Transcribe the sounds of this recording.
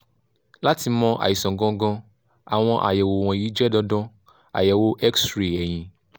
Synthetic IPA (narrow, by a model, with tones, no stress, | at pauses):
la˦ti˧mɔ̃˦ʔa̰˨ji˨sɔ̃˨ɡɔ̃˧ɡɔ̃˧ | a˨w̃ɔ̃˧ʔa̰˨jɛ˨wo˨w̃ɔ̃˨ji˨˦d͡ʒɛ˦dɔ˧dɔ̃˦ | a̰˨jɛ˨wo˦ʔɛ˦ksɾi˨ɛ˨j̃ĩ˨